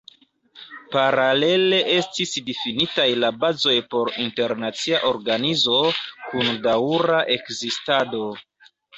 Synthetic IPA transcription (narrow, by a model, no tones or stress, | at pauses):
paɾale̞le̞ʔe̞stisdifinitajlabazo̞jpo̞ɾinte̞ɾnat͡siaʔo̞ɾɡanizo̞kundawɾaʔe̞kzistado̞